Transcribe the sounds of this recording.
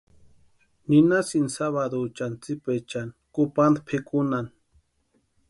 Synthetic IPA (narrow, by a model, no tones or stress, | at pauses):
ninasinsaβad̪ot͡ʃant͡sipet͡ʃankupand̪pʰekunan